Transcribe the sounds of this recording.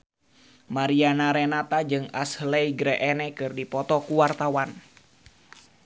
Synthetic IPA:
maɾianaɾɛnat̪ad͡ʒɨŋa̰shlɛiɡɾɛʔɛnɛkɨrdipɔt̪ɔkuwart̪awan

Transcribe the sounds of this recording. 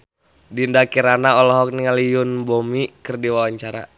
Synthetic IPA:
dindakiɾanaɔlɔɦɔk̚niŋalijʊnbomikɨrdiwawaɲt͡ʃaɾa̰

